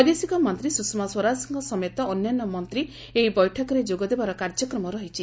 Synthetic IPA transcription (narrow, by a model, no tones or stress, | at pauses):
ɔd̪esikɔmɔnt̪ɾisuksmaswɔɾad͡ʒɔsiŋkɔsɔmjet̪ɔːnːjanːɔmɔnt̪ɾi | eɦibɔjʈʰɔkɔɾed͡ʒoɡɔd̪ebaɾɔkaɾd͡ʒɔkɾɔmɔɾɔɦit͡ʃʰi